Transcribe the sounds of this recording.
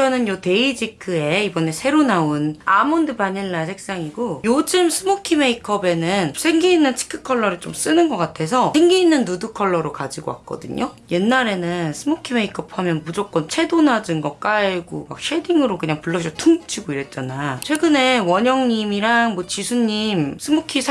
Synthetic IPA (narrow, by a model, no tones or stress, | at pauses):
t͡ɕʌnɯnjʌte̞id͡ʑikʰɯe̞ibʌne̞sʰe̞ɾonaunamʌndɯpaɲiɭːasʰek̚s͈aŋiɡojod͡ʑɯmsʰɯmokʰimeikʰʌbe̞nɯnsʰe̞ŋɡiːnːɯnt͡ɕʰi̥kʰɯ̥kʰʌɭːʌɾɯɭt͡ɕoms͈ɯnɯnɡʌk͈atʰe̞sʰʌsʰeŋɡiːnːɯnːudɯkʰʌɭːʌɾokad͡ʑiɡowa̰k̚k͈ʌ̰dɯ̰ɲoje̞nːaɾe̞nɯnsʰɯmokʰime̞ikʰʌpʰamjʌnmud͡ʑok͈̚ʌnt͡ɕʰe̞donad͡ʑɯnɡʌk͈aɡoma̰k̚ɕ͈ʰediŋɯɾokɯɲaŋpuɭːʌɕ̬ʰʌtʰuŋt͡ɕʰiɡoiɾe̞t̚t͡ɕ͈anat͡ɕʰwe̞ɡɯne̞wʌɲʌŋɲimiɾaŋmʌt͡ɕisʰuɲːimsʰɯmukʰisʰ